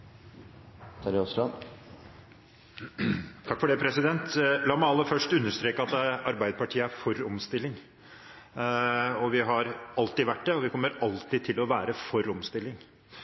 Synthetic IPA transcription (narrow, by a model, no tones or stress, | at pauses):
t̪ʰɑɾɪɔslɑn | t̪ʰɑkfɔɖɛːpʰɾɛsɪd̪ɛnt̪lɑːmæɪɑlːəfœʂʈʉnːəʂt̪ɾeːkəɑt̪ɑɾbæɪd̪əpɑʈʰiːəæɾfɔɾɔmst̪ɪlːɪŋ | ɔʋɪɦɑɾɑlt̪iːʋæʈːd̪ɛɔʋɪkʰɔmːəɾɑlt̪it̪ʰɪlɔʋæːɾəfɔɾɔmst̪ɪlːɪŋ